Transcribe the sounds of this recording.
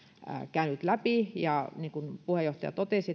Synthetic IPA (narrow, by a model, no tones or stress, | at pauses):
kæynyt̪læpijɑniːŋkunpuhejoht̪ɑjɑ̰t̪ot̪eˑsi